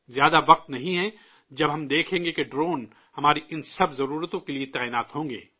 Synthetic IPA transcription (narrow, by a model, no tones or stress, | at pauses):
zjaːd̪aʋɐq̚t̪nɐɦĩɦɛ̃ | d͡ʒɐbɦɐmd̪eːkʰẽːŋɡekeɖɾoːn | hɐmaːɾiʔɪnsɐbzɐɾuːɾət̪õkeliet̪aːiːnaːt̪hõːŋɡḛː